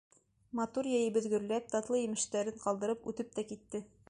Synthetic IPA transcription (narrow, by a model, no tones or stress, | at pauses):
mɑt̪uɾjæjɘ̆bɘ̆ðɡɵ̆ɾlæp̚t̪ɑt̪lˠɤjĭmɘ̆ʃt̪æɾɘɴqɑlˠd̪ɤ̆ɾɤpʉt̪ɘp̚t̪ækit̪ːɘ